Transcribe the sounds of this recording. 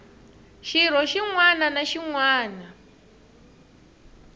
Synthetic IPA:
ʃiɾ̤ɔʃiŋwananaʃiŋwaːna

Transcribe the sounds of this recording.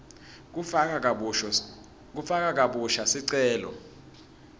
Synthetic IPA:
k̬ufak̬ʼak̬ʼaɓuʃasiǀɛːlɔ̰

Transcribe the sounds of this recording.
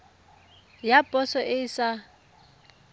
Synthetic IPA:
japʼɔsɔʔɪsa

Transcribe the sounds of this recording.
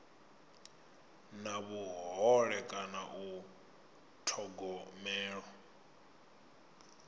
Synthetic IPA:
naβuɦɔɺɛkʼanaʔu | tʰɔɡɔmɛːɺɔ

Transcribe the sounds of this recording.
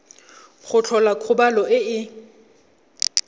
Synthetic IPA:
χʊt͡ɬʰɔlakʰʊbalɔɪɪ

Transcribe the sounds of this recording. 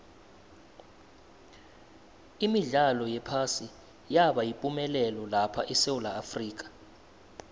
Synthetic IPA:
imiɮalɔjɛpʰasi | jaɓajipʼumɛlɛlɔlapʰaʔisewulaːfriːk̬ʼḁ

